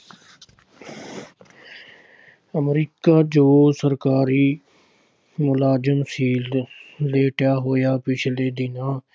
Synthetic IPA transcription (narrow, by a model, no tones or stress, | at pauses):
əmɾiːkaːd͡ʒoːsəɾkaːɾiː | mʊlaːd͡ʒəmsiːlleːʈjaːɦojaːpɪt͡ʃʰleːd̪ɪnãː